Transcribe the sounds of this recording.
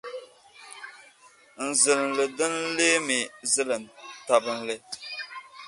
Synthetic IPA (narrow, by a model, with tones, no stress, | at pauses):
n̩˨zɨ˨lɨ˨nlɨ˨dɨ˦n˦le˦mi˨zɨ˦lɨ˨n˨ta˨bɨ˦nlɨ˦